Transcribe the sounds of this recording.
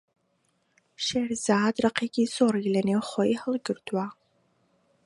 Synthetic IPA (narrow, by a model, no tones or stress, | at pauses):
ʃerzaːdrɐqʰeːɡʲiːsoːrɣlɐnewχʷɔjhəlɡɨrtʰwaː